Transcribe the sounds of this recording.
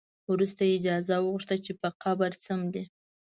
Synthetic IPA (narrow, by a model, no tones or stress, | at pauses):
wɾust̪aɪd͡ʒɑzawəɣʊʂt̪at͡ʃepəqʰabaɾsamd̪i